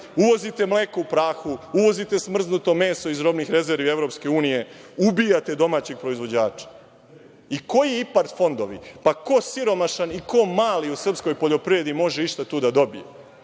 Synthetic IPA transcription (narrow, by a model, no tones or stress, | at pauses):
uʋo̞zit̪e̞mleːkoupɾaːxuuʋo̞zit̪e̞smr̩znut̪o̞me̞ːso̞izɾo̞bnixɾe̞zeɾʋie̞vɾo̞pske̞uːnije̞ubijat̪e̞d̪o̞maːt͡ɕe̞ɡ̚pɾo̞izʋo̞d͡ʑaːt͡ʃḁ | iko̞jiipaɾt̪fo̞nd̪o̞ʋḭpako̞siɾo̞maʃaniko̞maːliusr̩psko̞jpoʎo̞pɾjed̪imo̞ʒeiʃt̪at̪uːd̪ad̪o̞bije